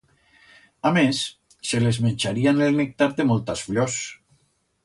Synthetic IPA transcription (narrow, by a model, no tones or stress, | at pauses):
amesː | elezmenʲt͡ʃaɾianelnek̚t̪aɾd̪emɔlˠt̪asfʎɔs